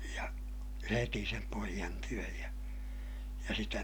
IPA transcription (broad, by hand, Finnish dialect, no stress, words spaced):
jɑ heti sem poijɑn tyøj jɑ jɑ sitæ